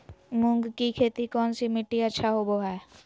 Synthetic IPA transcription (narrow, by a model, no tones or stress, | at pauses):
mʊ̃ŋɡkikʰeːt̪ikɔːnsimɪʈːiətːʃʰaɦoboɦɛː